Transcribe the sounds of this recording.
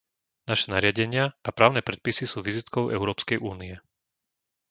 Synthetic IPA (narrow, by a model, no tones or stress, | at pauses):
naʃɛnaɾɪaɟɛɲɪaʔapɾaːʊnɛːpɾɛt̪̚pisisuːʋizit̪kɔʊʔɛ̰ʊɾɔːpskɛjʔuːniɛ